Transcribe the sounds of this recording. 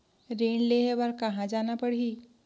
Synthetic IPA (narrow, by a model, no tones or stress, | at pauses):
ɾeːnleɦebɐɾkɐɦãd͡ʒaːnapəɽɦiː